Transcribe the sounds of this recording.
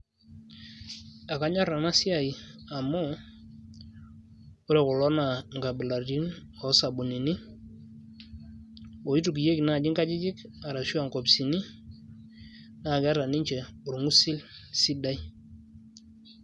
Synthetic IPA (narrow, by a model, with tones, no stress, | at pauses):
a˨ka˨˦ɲa˦ɾa˨na˦si˦a˨i˨a˨mɔ˦ | u˦ɾɛ˨kʊ˨lɔ˦na˨ŋɡa˨bɪ˨la˨ɾi˦n | ɔ˨˦sa˨bu˨ni˨ni˦ | wo˨i˦tu˨k̬i˨je˦kna˦˨d͡ʒi˦ŋka˦d͡ʒi˦d͡ʒɪ˦ka˨ɾa˨su˦a˨ŋkɔ˨bsi˨ni˦ | na˦˨ɡa˦ɾa˨ni˦ɲt͡ʃɛ˨u˨ɾu˨ŋu˦si˦lsi˦da˦j